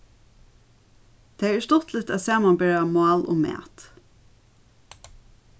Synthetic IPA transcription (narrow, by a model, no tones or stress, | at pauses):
t̪ʰeːæst̪ɔt̪lɪt̪æːðsæːmanbɛɹamɑːlʔʊ̰mæ̰ːt̪